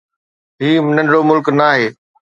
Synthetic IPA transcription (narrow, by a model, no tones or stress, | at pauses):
ɦiːmɪnə̃ɳɽomʊlknaːɦeː